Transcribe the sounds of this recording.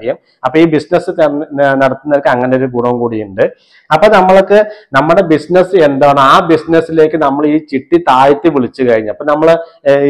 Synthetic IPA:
jɐm | ɐpːoːiːbisnɐsɨt̪ɐnɐɽɐt̪ːunːɐɐlkːɨɐŋːɐne̞jo̞ɾuk̬uːrɐʋɐmkuːɽijuɳɖɨ | ɐpːoːnɐmːɐɭokːɨnɐmːuɽe̞bisnɐsɨe̞nd̪aːɳɐaːbisnɐsːile̞ːkʲːɨnɐmːɐɭiːt͡ɕiʈːit̪aːjɐt̪ːɨʋiɭit͡ɕːɨkɐɻiɲːɐpːoːnɐmːɐɭ

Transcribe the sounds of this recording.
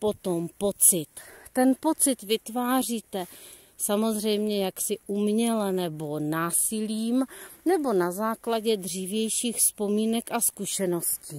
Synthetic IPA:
po̞t̪o̞mpo̞t͡sɪt̪ːɛnpo̞t͡sɪt̪vɪt̪vaːr̝iːt̪ɛ | samo̞zr̝ɛjmɲɛjaksɪʔumɲɛlɛnɛbo̞naːsɪliːmnɛbo̞nazaːklaɟɛdr̝iːvjɛjʃiːxspo̞miːnɛkʔaskuʃɛno̞sciː

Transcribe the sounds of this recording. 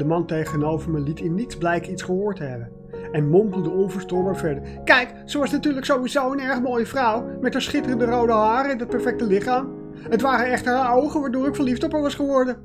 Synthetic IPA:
dəmɑntejχənowvəɹməlitɪnːitzblɛjkitsχəɦoːɹtəɦɛbən | ɛnmɔmpəl̩ˠdəɔnvəɹstɔɹbaːɹvɛɹdəɹ | kɛjk | səʋɑsnatyːɹləksowʋizowənɛɹχəmoːjəvrʌwmɛtəsχɪtərəndərowdəɦaːɾəɪndɑt̚pɛɹfɛk̚təlɪχaːm | ɦətʋaːrənɛχtəɹɦaowχənʋaːɹdʊːɾɪkfəɹliftɔpəɹʋɑsχəʋɔɹdən

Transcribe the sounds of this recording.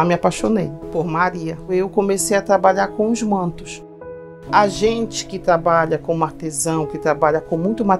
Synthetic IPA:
mɪapaʃonejpoɾmaɾiɐewkõmesejat̪ɾabaʎaɾkõʊzmɐ̃nt̪ʊ̥s | aʒẽnt͡ʃɪ̥kɪt̪ɾabaʎɐkõaɾt̪ezɐ̃w̃kɪt̪ɾabaʎɐkõmũj̃t̪ʊma

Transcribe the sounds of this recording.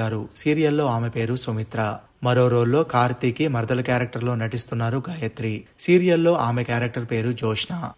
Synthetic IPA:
aːɾusiːɾijɐllo̞ːaːme̞pe̞ːɾusomit̪ɾa | mɐɾo̞ːɾo̞ːɖlo̞ːkaːɾt̪iːkimɐɾd̪ɐlɐkjaːɾɐk̚ʈɐɾlo̞ːnɐʈist̪unːaːɾuɡaːjɐt̪ɾisiːɾijɐllo̞ːʔaːmekjaːɾɐk̚ʈɐɾpe̞ːɾud͡ʒɔːʂɐnaː

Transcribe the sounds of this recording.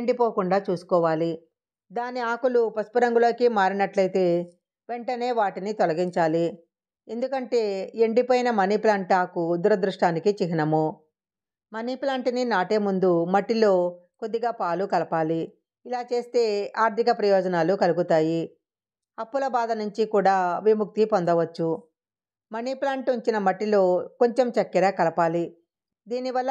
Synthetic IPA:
eɳɖipoːkuɳɖaːt͡ʃuːsu̥kɔːʋaːli | d̪aːniaːkulupɐspɐɾɐŋɡulo̞ːkimaːɾinɐʈlɐjt̪e̞ː | ʋe̞ɳʈɐne̞ːʋaːʈinit̪ɔlɐɡiɲt͡ʃaːli | e̞nd̪ukɐɳʈe̞ːeɳɖipoːjinɐmɐniplaːɳʈaːkud̪uɾɐd̪ɾuʂʈaːnikit͡ʃiɦinɐmu | mɐniplaːɳʈininaːʈe̞ːmund̪umɐʈːilo̞ːkod̪ːiɡaːpaːlukɐlɐpaːliː | laːt͡ʃe̞ːst̪e̞ːaːɾt̪ʰikɐpɾɐjɔːd͡ʒɐnaːlukɐluɡut̪aːji | ɐpːulɐbaːd̪ɐnuɲt͡ʃikuːɽaːʋimuk̚t̪ipond̪ɐʋɐt͡ʃːu | mɐniplaːɳʈuɲt͡ʃinɐmɐʈːilo̞ːko̞ɲt͡ʃemt͡ʃɐkːɛɾɐkɐlɐpaːli | d̪iːniʋɐlːɐ

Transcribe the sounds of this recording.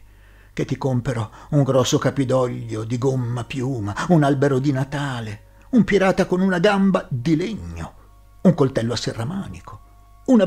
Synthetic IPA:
k̟et̪ːikompeɾouŋɡɾɔsːokapid̪ɔʎːod̪iɡomːapjuːmaunalbeɾod̪inat̪aːle | umpiɾaːt̪akonunaɡambad̪ileɲːo̰ | uŋkolt̪ɛlːoasːerːamaːnikʰo̥ | una

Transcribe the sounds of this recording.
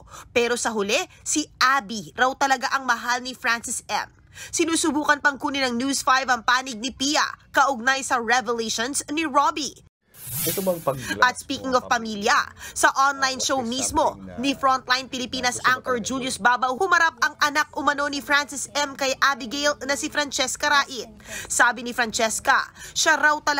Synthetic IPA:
pɛːɾo̞sɐɦʊlɛ | siʔaːbiɾɐwt̪ɐlɐɡaʔɐŋmɐɦalnɪfɹansɪsɛ̰m | sɪnuːsʊbuːkɐnpɐŋkuːnɪnɐŋnjusfajvɐŋpaːnɪɡ̚nɪpiːjɐ̰kɐʔʊɡ̚najsɐɹɛvɛleʃonsniɹobi | ɛʔɐt̪̚spiːkɪŋɔvpɐmiljɐ̰sɐʔonlajnʃowmismo̞nifɾɔnt̪̚lajnpɪlɪpiːnɐsʔaŋkɔɹd͡ʒuːljʊsbaːbɐwhʊmɐɾap̚ɐŋʔɐnak̚ʔʊmɐno̞nifɾansɪsɛmkɐjʔabɪɡejlnɐsɪfɾɐnt͡ʃɛskɐɾaːʔɪt̪̚saːbɪnifɾɐnt͡ʃɛskɐʃaɾawt̪ɐl

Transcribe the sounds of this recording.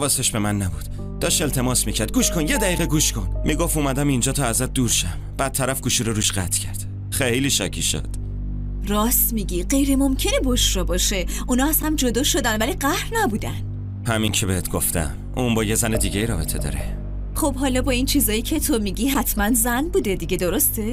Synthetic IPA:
ævɒːseʃbe̞mænːæbud̪̥ | d̥̪ɒːʃe̞lt̪ʰe̞mɒːsmiːcʰæɾd̪̚ɡuːʃkʰonjed̪æiːɣeɡuːʃkʰonmʔiɡofuːmæd̪æmind͡ʒɒːt̪ʰɒːæzæt̪̚d̪uːɾʃæmb̥æt̪̚t̪ʰːæɾæfɡuːʃiɾoɾuːʃɢæt̪ʰcʰæɾd̪̥ | χejliːʃæcʰiʃo̰d̪̥ | ɾɒːsmiːɟiɢe̞jɾemo̞mcʰe̞neboʃɾɒːbɒːʃe̞ʔunɒæsæmd͡ʒod̪ɒːʃo̞d̪ænvæliɢæhɾnæbuːd̪æn | hæmincʰebehet̪ʰɡoft̪ʰæ̰m | ʔuːmbɒːjezæned̪iːɟeiːɾɒ̰ːbe̞t̪ʰe̞d̪ɒ̰ːɾe | χob̥ɦɒːlɒːbɒint͡ʃʰiːzɒːjiːcʰe̞t̪ʰomiɟiɦæt̪ʰmænzænbuːd̪e̞d̪iɟed̪oɾost̪e̞

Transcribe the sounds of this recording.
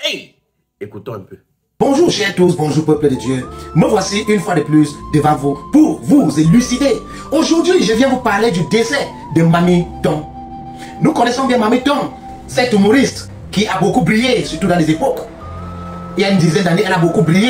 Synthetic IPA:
ekut̪ɔ̃ɛ̃pø | b̥ɔ̃ʒuːʁʃɛʁt̪usbɔ̃ʒuːʁpəplədəd̪jøməvwasiʔynfwad̪əplysd̪əvãvupuʁvuzelysid̪e | oʒuʁd̪ɥiʒəvjɛ̃vupaʁled̪yd̪esɛ | d̪əmamit̪ɔ̃m | nukɔnɛsɔ̃bjɛ̃mamit̪ɔ̃m | sɛt̪ymoʁist̪ | kiʔabokubʁijesyʁt̪ud̪ãlezepɔk | eaynd̪izɛ̃nd̪aneɛlabokubʁije

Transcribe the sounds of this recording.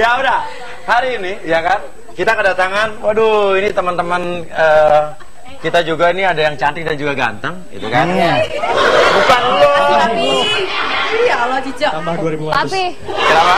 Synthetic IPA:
jaoda | haɾiːnijakan | kit̪akədat̪aŋanwaduinit̪əmənt̪əmən | əː | kit̪ad͡ʒuɡainiadajaŋt͡ʃant̪ɪk̚dand͡ʒuɡaɡa̰nt̪əŋ | ḭt̪ukan | bukanaaai | jalad͡ʒid͡ʒat̪ambahduaɾibubaai | ama

